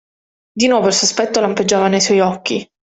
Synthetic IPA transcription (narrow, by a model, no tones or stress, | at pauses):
d̪inwɔːvoilsospɛt̪ːolamped͡ʒːaːvanejswɔjɔkːi